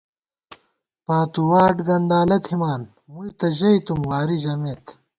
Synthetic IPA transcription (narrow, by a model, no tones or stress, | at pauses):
paːt̪uwaːʈɡɐnd̪aːlɐt̪himaːn | mujt̪ɐʑɐjt̪umwaːɾiʑɐmeːt̪